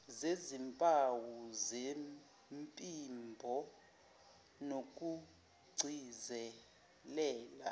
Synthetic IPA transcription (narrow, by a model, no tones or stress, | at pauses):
zezimpʼawuzem | mpʼimbʱɔ | nok̬ʼu | ɡ͡ǀʱizɛ | lɛːla̰